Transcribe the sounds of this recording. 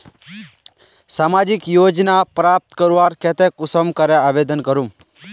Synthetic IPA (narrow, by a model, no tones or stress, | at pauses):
saːmaːd͡ʒikjoːd͡ʒnapɾaːp̚t̪kəɾuʋaːɾkɛt̪ɛkʊsəmkəɾɛaːʋed̪ənkəɾum